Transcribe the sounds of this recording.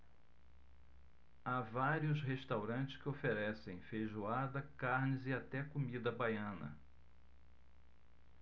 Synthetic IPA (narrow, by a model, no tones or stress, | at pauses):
avaɾiʊsɦeʃt̪awɾɐ̃nt͡ʃɪ̥skɪofeɾɛsẽj̃fejʒuad̪ɐkaɾnɪzɪat̪ɛkomid̪ɐbajɐ̃nɐ̰